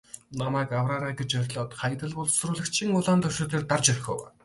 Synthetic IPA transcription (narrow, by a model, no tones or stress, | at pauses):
namaːkawraːɾaːɡet͡ɕœɾʲɮɔːt̪χaj̆t̪ə̆ɮpʊɮsɵɾʊːɮɘ̆kt͡ɕʰiŋʊɮaːnt̪ʰɵr̥ʃeːt̪eːrt̪art͡ɕœrʲxɔ̰ːwa̰ː